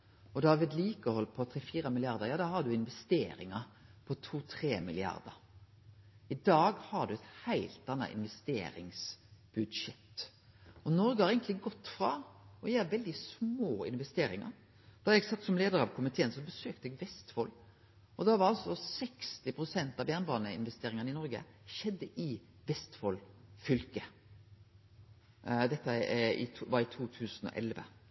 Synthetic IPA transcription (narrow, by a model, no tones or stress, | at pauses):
ɔd̪ɑːʋɪd̪liːkəɔhɔlpʰɔt̪ʰɾɛfiːɾəmɪlɪɑɾd̪əɾjɑːd̪ɑːhɑd̪ʉɪnʋɛst̪eːɾɪ̰ŋəɾpʰɔt̪ʰuːt̪ʰɾeːmɪ̰lɪɑ̰ɾd̪ə̰ɾ | ɪd̪ɑːɡhɑd̪ʉɛt̪hæɪlt̪ɑnːɑ̰ʔɪ̰nʋɛst̪ḛːɾɪ̰ŋsb̥ʉd̪ʃɛt̪ː | ɔnɔɾɡəhɑɾɛɪɡənlɪɡɔt̪ːfɾɑɔjæːɾʋɛld̪ɪsmoːɪ̰nʋɛst̪eːɾɪ̰ŋə̰ɾ | d̪̥ɑɾɛɡsɑt̪ːsɔmleːd̪əɾɑʋkʰʊmɪt̪ʰeːənsɔbəsøːkt̪əɛɡʋɛst̪fɔlː | ɔd̪ɑʋɑɾɑlsɔsɛkst̪ɪpʰɾʊsɛnt̪ɑʋbjæːnbɑːnəɪ̰nʋɛst̪eːɾɪŋənɪnɔɾɡə̰ | ʃɛd̪ːəʔɪ | ʋɛst̪fɔlfʏlkə | d̪ɛt̪ːəɪ̰ʋɑɾɪt̪ʰuːt̪ʰʉːsnɔ̰ʔɛlʋə̰